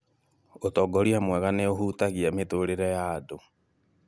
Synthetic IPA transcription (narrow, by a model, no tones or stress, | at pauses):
otɔɡɔɾiamwɛɣaneohutaɣiametoɾeɾɛjado